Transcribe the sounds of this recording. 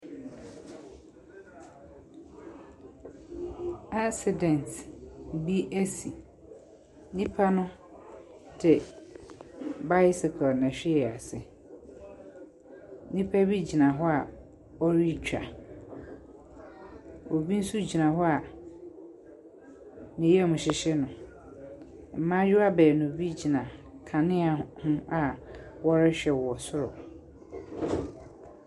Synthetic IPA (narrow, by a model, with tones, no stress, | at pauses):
a˦sɪ˨dɛ̃˨ntbi˦ʔæ˦si˨ | nĩ˦pʰa˦nʊ̃˦ | dʰɪ˨ | ba˦jɪ˦sɪ˨kʰɔ˨nɛ̃˨ɕᶣɪ˦ɛ˨a˨sɪ˨ | nĩ˦pʰa˦bi˦d͡ʑi˨nã˨ɦɔ˦a˨ | ɔ˦ɾi˦t͡ɕᶣa̰˨ | o˨bi˦n̩˦su˦d͡ʑi˨nã˨ɦɔ˦a˨ | nɪ̃˨jɛ˦˨mʊ̃˨ɕɪ˨ɕɪ˦nʊ̃˨ | m̩˨mã˦jʊ˦a˦bɛː˨nʊ̃˨bi˦d͡ʑi˨nã˨kʰã˨nɪ̃˦a˨hʊ̃˦a˨wɔ˦ɾɪ˦ɕᶣɛ˨wɔ˨sʊ˦ɾɔ̰˨